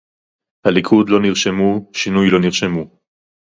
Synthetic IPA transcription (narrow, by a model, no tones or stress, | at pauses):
halikʰud̪lo̞niʁʃemuʃinujlo̞niʁʃemu